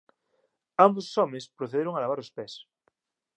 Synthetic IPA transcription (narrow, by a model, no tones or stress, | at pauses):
ambossɔmespɾoθeðeɾoŋalaβaɾospes